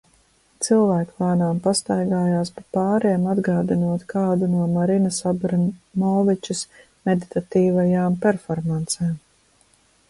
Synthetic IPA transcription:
t̪silˠvæːkvaːnaːmpast̪ajɡaːjaːspapɑːɾiɛmad̪ɡaːd̪inuɔt̪kʰaːd̪unuɔmaɾinasabɾmɔːvit͡ʃus | med̪it̪at̪iːvajaːmpɛɾfɔɾmant̪seːm

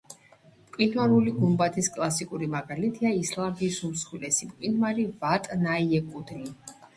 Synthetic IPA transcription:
mkʼwinmaɾuliɡumbat̪ʰiskʼlˠasikʼuɾimaɡalit̪ʰiaislˠambisumsχwilɛsimkʼwinmaɾivat̪ʼnaiɛkʼud̪ɾi

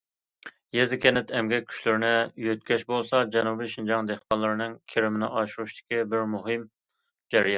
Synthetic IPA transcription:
jezɪkʲenɪt̪ʰɛmɡʲɛkʲʰy̥ʃlɪɾɪnɪjøt̪̚kʲɛʃbolˠsɑd͡ʒɛnubijʃind͡ʒɑŋd̪eχqʰɑnlˠːɨɾɨnɨŋkʲʰeɾɪmɪnɪʔɑʃuɾuʃt̪ɪ̥kʲibɪɾmuɦɨm | d͡ʒɛɾijɑ

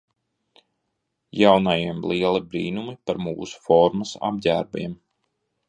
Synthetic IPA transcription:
jawnajiɛmlˠiɛlˠibɾiːnumipaɾmṵːsu̥fɔɾmasa̰b̚ɟæ̰ːɾbiɛm

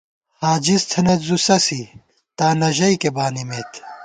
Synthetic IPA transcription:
haːd͡ʑist̪ʰɐnet̪zusɐsi | t̪aːnɐʑɐikebaːnimeːt̪ʰ

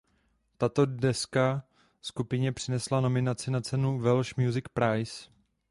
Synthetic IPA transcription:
t̪at̪o̞dɛska | skupɪɲɛpr̥ɪnɛslano̞mɪnat͡sɪnat͡sɛnuvɛlʃmjuzɪkpɾajs

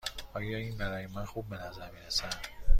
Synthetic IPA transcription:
ʔɒːjɒːiːnbæɾɒːjemænxub̚ːe̞næzæɾmiːɾesæn̥

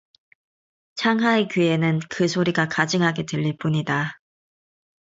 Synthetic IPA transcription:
t͡ɕʰaŋɦaekɥie̞nɯnkɯsʰoɾiɡakad͡ʑiŋɦaɡe̞dɯʎːip͈uɲida

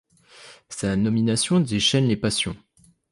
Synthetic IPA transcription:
sanɔminasjɔ̃d̪eʃɛnlepasjɔ̰̃

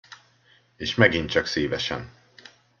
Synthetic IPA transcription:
eːʃmɛɡint͡ʃɒkseːvɛʃɛ̰n

